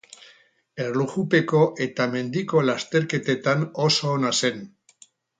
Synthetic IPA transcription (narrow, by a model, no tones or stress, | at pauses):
e̞rluɣupe̞ko̞ʔe̞t̪ame̞nd̪iko̞last̪e̞ɾke̞t̪e̞t̪anoso̞ːnase̞n